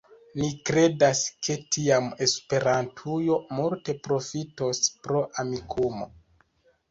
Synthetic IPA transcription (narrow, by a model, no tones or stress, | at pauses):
nikɾe̞daskʰe̞tiame̞spe̞ɾantʰujo̞multe̞pɾo̞fito̞spɾo̞ʔamikʰumo̞̰